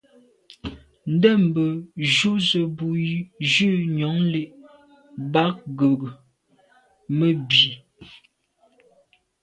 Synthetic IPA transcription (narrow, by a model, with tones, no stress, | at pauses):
n̩˦də˦˨m˨bə˨ʒu˦zə˨bu˨i˨˦ʒʉ˦˨ɲɔ˨˦ŋle˦˨ʔ | ba˦k̚ɡə˨ɡə˨ | mə˦bi˨